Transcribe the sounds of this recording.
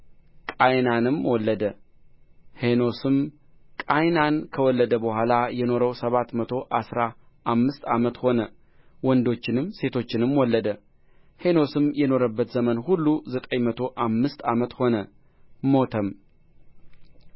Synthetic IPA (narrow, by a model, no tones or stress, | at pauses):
kʼajnanɨmwɔlːəd̪ə | he̞no̞sɨm | kʼajnankʰəwɔlːəd̪əbəhʷalajɛno̞ɾəwsəβat̪mət̪ʰo̞ʔasɾa | ʔamːɨst̪a̰mət̪ho̞nə | wɔnd̪o̞t͡ʃːɪnɨmse̞t̪ʰo̞t͡ʃːɪnɨmwɔlːəd̪ə | he̞no̞sɨmjɛno̞ɾəbːət̪zəmənhulːuzət̪ʼəɲmət̪ʰo̞ʔamːɨst̪amət̪ho̞nə | mo̞t̪ʰəm